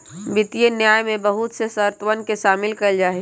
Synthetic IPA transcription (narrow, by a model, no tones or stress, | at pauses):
bɪt̪ijenjaːjmẽbɐɦʊt̪sesəɾt̪ʋənkeʃaːmɪlkəld͡ʒaːe